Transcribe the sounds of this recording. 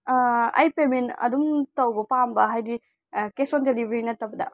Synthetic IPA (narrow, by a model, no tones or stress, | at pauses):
ɐ̰jpemenɐ̰dumtɐwbɐpambɐɦajdi | kesondelibʱɾinɐtːɐwbɐdɐ̰